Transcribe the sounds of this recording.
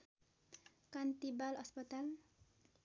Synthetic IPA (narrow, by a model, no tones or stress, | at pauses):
kant̪ibalʌspʌt̪al